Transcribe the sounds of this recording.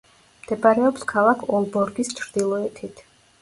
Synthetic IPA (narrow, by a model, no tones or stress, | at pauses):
md̪̥ɛbɾɛɔpskʰalˠakʰɔlˠbɔɾɡist͡ʃʰɾd̪̥ilˠɔɛt̪ʰit̪ʰ